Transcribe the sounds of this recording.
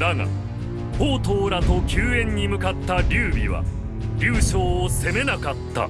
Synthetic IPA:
d̪aŋa̰ | hoːt̪oːɾat̪o̞kʲɨːẽ̞ɲ̟ːimɯ̟kat̪ːaɾʲɨːbʲḭβa̰ | ɾʲɨːɕoːse̞me̞nakat̪ːa̰

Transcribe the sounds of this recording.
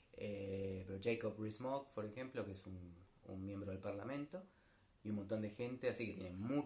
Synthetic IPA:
epeɾod͡ʒejkoprismokpoɾexemplokeesunṵnmjembɾoðelpaɾlamẽnt̪o | iumont̪o̞nd̪exent̪easiket̪jenemu

